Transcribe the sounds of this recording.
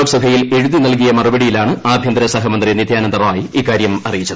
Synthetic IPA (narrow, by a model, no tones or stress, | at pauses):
oksɐbʱɐjileɻuðinɐlk̬ijɐmɐrubɐɽijilaːɳɨaːbʱjɐnd̪ɾɐsɐɦɐmɐnd̪rinid̪ʱjaːnɐnd̪ɐrmaːjiiːkːaːɾjɐmɐrijit͡ɕːɐðɨ